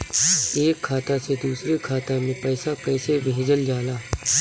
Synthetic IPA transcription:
eːkʰːaːt̪ased̪uːsɾekʰaːt̪ãmẽpɛːsapɛːsebɪɦɪd͡ʒəld͡ʒaːlaː

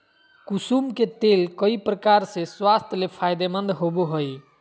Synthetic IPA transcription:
kusumket̪elkəipɾəkaɾsẽswast̪ʰjlepʰajd̪emənd̪ɦobuɦoj

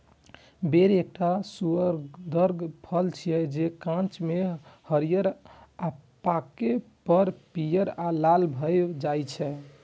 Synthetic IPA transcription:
beɾek̚ʈasuəɾɡd̪əɾɡpʰəlt͡ʃʰijɛd͡ʒekãnt͡ʃmehəɾijəɾapakepəɾpijəɾalalbʱəjd͡ʒajt͡ʃʰɛ

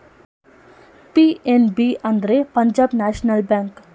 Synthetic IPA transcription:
pienbiʔɐnd̪ɾepɐɲd͡ʒaːbnaːʃnɐlbaːŋk

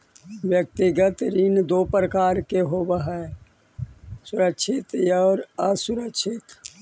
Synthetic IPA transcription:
ʋjək̚t̪iɡət̪ɾind̪oːpɾəkaːɾkeɦoːbəɦae | sʊɾəkʃʰɪt̪jaːɾɐsʊɾəkʃʰɪt̪

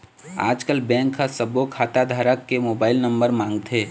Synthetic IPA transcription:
a̰ːd͡ʒkəlbɛ̃ːŋkːasəbokʰaːt̪ad̪ʱaːɾəkːemoːbaːɪlnə̃mbəɾmãːŋɡt̪ʰeː

